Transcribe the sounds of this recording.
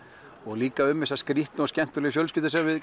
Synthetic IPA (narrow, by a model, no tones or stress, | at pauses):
ɔɣliːkaʏmːɪsaðskɾiht̪nascɛn̥t̪ʏɾlɛfjœlscɪt̪ɪsɛmavɪð